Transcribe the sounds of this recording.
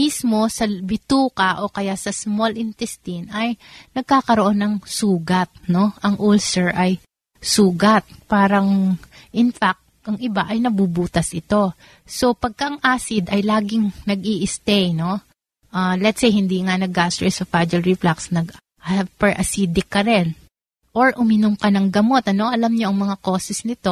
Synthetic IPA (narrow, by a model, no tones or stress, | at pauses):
mismo̞sɐbɪt̪uːkɐʔo̞kɐjasɐsmolɪnt̪ɛst̪inɐjnɐɡ̚kaːkɐɾoʔo̞nɐŋsuːɡɐt̪̚no̞ʔɐŋʔolsɛɹʔɐj | suːɡɐt̪̚paːɾɐŋʔɪnfak̚t̪ʔɐŋʔɪbaʔɐjnɐbuːbuːt̪ɐsʔɪt̪o̞ | so̞pɐɡ̚kɐʔɐŋʔaːsɪd̪ɐjlaːɡɪŋnɐɡʔiːʔɪst̪ɛjno̞ | ʔaːlɛt̪sejhɪnd̪iːŋanɐɡ̚ast̪ɾosɐfad͡ʒɐlɹɪflaksnɐɡ | pɛɹʔɐsiːd̪ɪkːɐɾɛn | ʔoɹʔʊmɪnomkɐnɐŋɡɐmo̞t̪̚ɐno̞ʔɐlɐmɲo̞ʔɐŋmɐŋako̞ːsɛsnɪt̪o̞